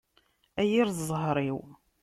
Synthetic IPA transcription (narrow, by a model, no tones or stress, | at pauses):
æjiɾðzˤɦɾˤiw